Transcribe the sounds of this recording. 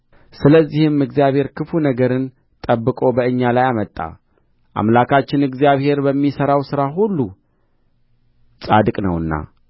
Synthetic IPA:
sɨləzːihɨmɨɡzijaβhe̞ɾkʰɨfunəɡəɾɨn | t̪ʼəbːɨkʼo̞bəɨɲːalajamət̪ʼːa̰ | ʔa̰mlakʰat͡ʃːɪnɨɡzjaβhe̞ɾbəmːisəɾawsɨɾaɦulːu | sʼad̪ɨkʼnə̰wɨnːa̰

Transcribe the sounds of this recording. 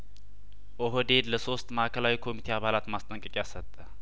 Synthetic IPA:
ʔoɦod̪e̞d̪ləso̞st̪ʼməʔakʰəlawikʰo̞mit̪ʰe̞aβalat̪mast̪ʼəŋkʼɨkʼjasət̪ʼːə

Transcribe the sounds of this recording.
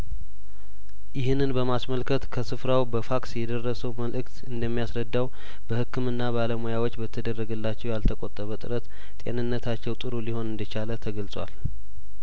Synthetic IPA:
jɪɦɨnːɨnbəmasməlkʰət̪kʰəsɨfɾawbəfaksjɛd̪ərːəsəwməlʔɨkt̪ɨnd̪əmːijasɾəd̪ːaw | b̥əhɨkːɨmɨnːabaləmojawot͡ʃːbət̪ʰːəd̪ərːəɡəlːat͡ʃːɛwjalt̪ʰəkʼot̪ʼːəβət̪ʼɨɾət̪ | t̪ʼe̞̰nɨnːət̪ʰat͡ʃːɛwt̪ʼɨɾuliho̞nɨnd̪ət͡ʃalət̪ʰəɡəlsʼwa̰l

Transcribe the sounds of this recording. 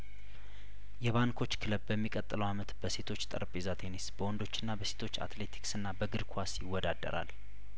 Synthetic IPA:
jɛβaŋkʰo̞t͡ʃːkʰɨləbbəmːikʼət̪ʼːɨləwamət̪b̥əse̞t̪ʰo̞t͡ʃːt̪ʼə̰ɾpʼezat̪ʰe̞nesbəwɔnd̪o̞t͡ʃːɨnːabəset̪ʰo̞t͡ʃːa̰t̪le̞t̪ʰi̥ksɨnːabəɡɨɾkʰasjɪwːɔd̪ad̪ːə̰ɾa̰l

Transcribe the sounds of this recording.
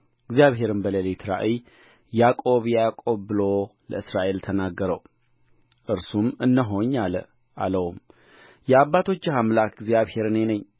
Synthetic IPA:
ɨɡzjaβɦe̞ɾɨnbəlelet̪ʰɾa̰ʔi | jakʼo̞βjakʼo̞βːɨlo̞lə̰ɨsɾaʔe̞lt̪ʰənaɡːəɾəw | ʔɨɾsumɨnːəɦo̞ɲːalə̰ | ʔa̰ləwum | jɛaβːat̪ʰo̞t͡ʃːɪhamlakɡzjaβhe̞ɾɨnenəɲː

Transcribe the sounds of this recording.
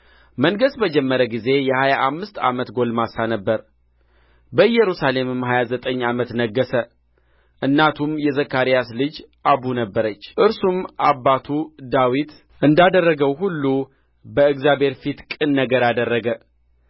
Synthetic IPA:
məŋɡəsbəd͡ʒɛmːəɾəɡize̞jɛhajaʔamːɨst̪a̰mət̪ɡo̞lmasanəbːəɾ | bəɨjɛɾusale̞mɨmhajazət̪ʼəɲːamət̪nəɡːəsə | ʔɨnːat̪ʰumjɛzəkːaɾijaslɨd͡ʒ | ʔabunəbːəɾət͡ʃːʔɨɾsumʔabːat̪ʰud̪awit̪ | ʔɨnd̪ad̪ərːəɡəwɦulːu | bəɨɡzjabe̞ɾfit̪kʼɨnːəɡəɾad̪ərːəɡə

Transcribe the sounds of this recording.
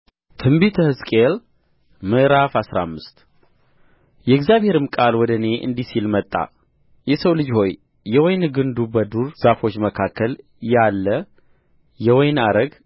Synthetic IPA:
t̪ʰɨmbit̪ʰəhɨskʼel | mɨʔɾafasɾa̰mːɨst̪ | jɛɪɡzjaβhe̞ɾɨmkʼalwɔd̪əne̞ʔɨ̰nd̪isilmət̪ʼːa̰ | jɛsəwlɨd͡ʒho̞jː | ɛwɔjnɡɨnd̪ubəd̪uɾz̥afo̞t͡ʃːməkʰakːəl | jalːə | jɛwɔjnaɾəɡ

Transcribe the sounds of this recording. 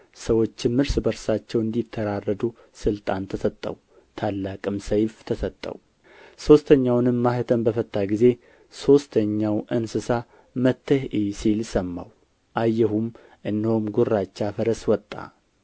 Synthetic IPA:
səwo̞t͡ʃːɪnmɨɾsbəɾsat͡ʃːɛwɨnd̪it̪ʰːəɾarːəd̪u | sɨlt̪ʼant̪ʰəsət̪ʼːə̰w | t̪ʰalːakʼɨmsəjft̪ʰəsət̪ʼːə̰w | so̞st̪ʰəɲːawnɨmːahɨt̪ʰənbəfət̪ʼːaɡize̞ | so̞st̪ʰəɲːawʔɨnsɨsa | mət̪ʰːəhʔisilsəmːa̰w | ʔajːɛɦum | ʔɨndhomɡurːat͡ʃːafəɾəswɔt̪ʼːa̰

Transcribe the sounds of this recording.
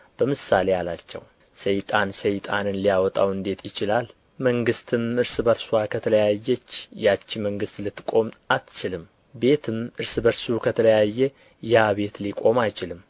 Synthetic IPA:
b̥əmɨsale̞jalat͡ʃːɛ̰w | səjt̪ʼansəjt̪ʼa̰nɨnlijawɔt̪ʼawɨnd̪e̞t̪ʰjɪt͡ʃɪlal | məŋɡɨst̪ʰɨmɨɾsɨbəɾswakʰət̪ʰələjajːɛt͡ʃːjat͡ʃːiməŋɡɨst̪lɨt̪ːkʼo̞mat̪t͡ʃɪlɨm | be̞t̪ʰɨmɨɾsɨbəɾsukʰət̪ʰələjajːɛ | jaβe̞t̪likʼo̞majt͡ʃɪlɨm

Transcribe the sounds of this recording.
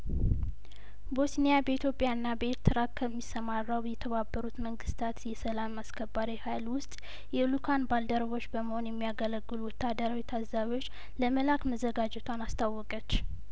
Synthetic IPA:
bo̞snijabəit̪ʰjo̞pʼjaɨnːabəɾt̪ʰɨɾatkʰəmːisːəmarːawjɛt̪ʰəβabːəɾut̪məŋɡɨst̪ʰat̪jɛsəlamaskʰəbːaɾihajlwʊst̪ʼ | jɛlukʰanbald̪əɾβo̞t͡ʃːbəməho̞njɛmːijaɡələɡːɨluwɔt̪ʰːad̪əɾaβit̪ʰazaβjo̞t͡ʃː | ləməlakməzəɡad͡ʒɛt̪ʰwanast̪ʰawːɔkʼət͡ʃː

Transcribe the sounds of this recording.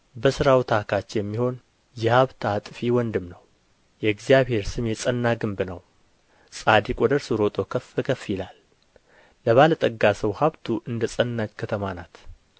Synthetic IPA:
bəsɨɾawt̪ʰakʰat͡ʃːjɛmːiho̞n | jɛhaβt̪ʰat̪ʼfiwɔnd̪ɨmnəw | jɛɡzijaβhe̞ɾsɨmjɛsʼənːaɡɨmbnəw | sʼad̪ikʼwɔd̪əɾsɨɾo̞t̪ʼo̞kʰəfɨkʰəfːjɪlalː | əβalət̪ʼəɡːasəwhaβt̪ʰuʔɨnd̪əsʼənːat͡ʃkʰət̪ʰəmanat̪

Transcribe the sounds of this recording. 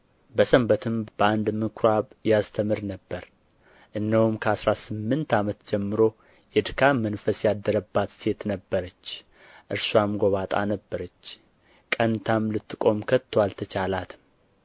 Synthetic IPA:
bəsəmbət̪ʰɨmbəand̪mɨkʰɾaβjast̪ʰəmɨɾnəbːəɾ | ʔɨnːəwumkʰəasɾasɨmːɨnt̪ʰamət̪d͡ʒɛmːɨɾo̞ | jɛd̪ɨkʰamənfəsjad̪ːəɾəbːat̪se̞t̪nəbːəɾət͡ʃː | ʔɨɾswamɡoβat̪ʼa̰nəbːəɾət͡ʃː | kʼənt̪ʰamlɨt̪ːɨkʼo̞mkʰət̪ʰːwalt̪ʰət͡ʃʰalat̪ɨ

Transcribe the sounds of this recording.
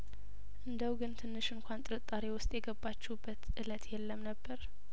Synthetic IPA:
ʔɨnd̪əwɡɨnt̪ʰɨnːɨʃɨŋkʷʰant̪ʼɨɾɨt̪ʼaɾewʊst̪ʼjɛɡəbːat͡ʃːɛbːət̪ʔɨlət̪jɛlːəmnəbːəɾ

